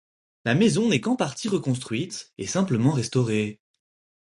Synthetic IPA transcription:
lamezɔ̃nɛkɑ̃paʁt̪iʁəkɔ̃s̬t̪χɥit̪esɛ̃pləmɑ̃ʁɛst̪ɔʁe

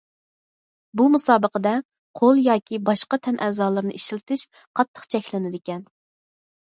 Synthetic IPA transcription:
bumusɑːbəqəd̪ɛ | qʰolˠjɑːkʲibɑʃqɑt̪ʰɛnʔɛːzɑːlˠɨɾnɨʔeʃɪlt̪ʰɪʃ | qʰɑt̪ʰːə̥qt͡ʃʰɛkʲlɪnɪd̪ɪkʲɛn

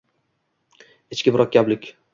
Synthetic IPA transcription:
ɪt͡ʃkʲɪbɪɾʔɒk̚ʲablɪkʲ

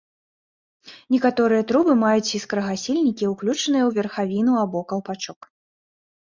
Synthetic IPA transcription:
nʲɛkat̪ɔɾɨjɐt̪ɾubɨmajut͡sʲiskɾɐɣasʲilʲnʲikʲiuklʲut͡ʂnɨjɐwvʲɛrxavʲinuabɔkɐlˠpat͡ʂɔk

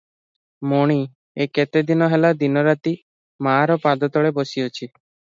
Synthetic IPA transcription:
moɽ̃i | eket̪ed̪inɔɦelad̪inɔɾat̪i | maɾɔpad̪ɔt̪ɔɭebosiɔt͡ʃʰi

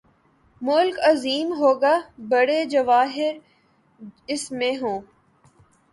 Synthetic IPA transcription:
mʊlkɐziːmɦoːɡaːbɐɽed͡ʒɐʋaːɦɪɾ | ɪsmẽɦõː

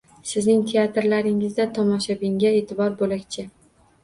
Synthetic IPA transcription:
sɪznɪŋt̪ʰe̞at̪ɾlaɾɪŋɪzd̪at̪ʰɒmɒʃabɪŋɡʲae̞ːt̪ʰɪbɒɾbolakʲt͡ʃʰɪ

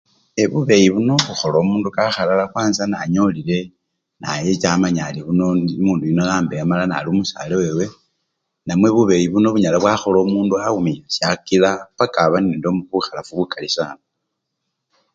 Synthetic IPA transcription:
eβuβe̞jiβuno̞βuxo̞lomuːndukaxalalakwaːnzana̰ɲo̞lile̞ | na̰jet͡ʃamaɲaliβuno̞muːndujinojaːmbejamalana̰lumusalewe̞we̞ | namwe̞βuβe̞jiβuno̞βuɲalaβwaxo̞lomuːnduaumilasjakilapakaβanindomuβuxalafuβukʰalisaːno

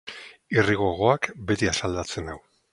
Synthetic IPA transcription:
iriɣo̞ɣ̞o̞akbe̞t̪iasald̪at͡se̞naw

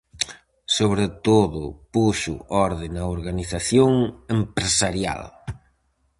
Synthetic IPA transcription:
soβɾet̪oðʊpuʃʊ̰ɔɾðɪŋɐoɾɣaniθaθjoŋempɾesaɾja̰l

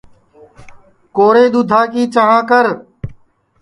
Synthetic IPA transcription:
koːɾeːd̪ʊd̪ʱaːkiːt͡ʃəɦãːkəɾ

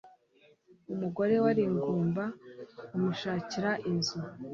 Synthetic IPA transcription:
umuɡo̞ɾe̞waɾiŋɡuːmbaumuʃaːciɾaʔinzu

